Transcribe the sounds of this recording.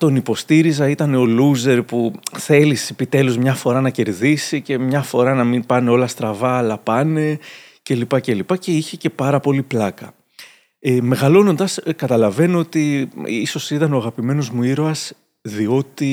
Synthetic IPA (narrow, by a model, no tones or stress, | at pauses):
t̪o̞nipo̞st̪iɾizɐit̪ɐne̞o̞luze̞ɾpuθe̞lise̞pit̪e̞luzmɲɐfo̞ɾɐnɐce̞ɾðisice̞mɲɐfo̞ɾɐnɐminpɐne̞o̞lɐst̪ɾɐvɐːlɐpɐne̞ | ce̞lipɐce̞lipɐce̞içe̞ce̞pɐɾɐpo̞liplɐkɐ | eme̞ɣɐlo̞no̞nd̪ɐskɐt̪ɐlɐve̞noot̪iiso̞sit̪ɐno̞ɐɣɐpime̞no̞zmuiɾo̞ɐs | ðio̞t̪i